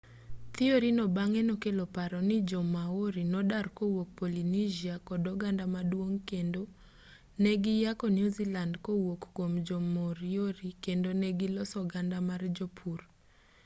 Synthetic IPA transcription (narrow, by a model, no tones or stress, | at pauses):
t̪ɪoɾinɔbaŋɛnɔkelopaɾɔnɪd͡ʒɔmaoɾinɔdarkowok̚polinid͡ʒiakɔdɔɡandamadwoŋkendo | neɡɪjakɔnjuzilandkowokːomd͡ʒomoɾioɾikendonɛɡɪlɔsɔɡandamard͡ʒopʰur